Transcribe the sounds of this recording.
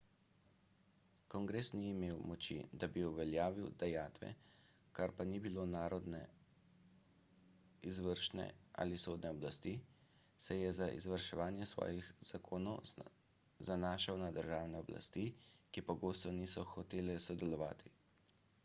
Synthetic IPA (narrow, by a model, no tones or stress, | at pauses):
kɔŋɡɾeːsniːmeːwmɔt͡ʃḭd̪abiuʋɛljaːʋiwd̪̥ɛjaːt̪ʋɛ̰ | kaɾpanibilonaːɾɔd̪nɛ̰ | izʋəɾʃnɛ̰a̰ːlisoːd̪nɛɔblast̪i | sɛjɛzaʔḭzʋəɾʃɛʋaːnjɛsʋɔ̰ːjixz̥akʰoːnɔw | zanaːʃawnad̪əɾʒaːwnɛɔbla̰st̪ikipɔɡoːst̪ɔnisɔxɔt̪eːlɛsɔd̪ɛlɔʋa̰ːt̪ʰi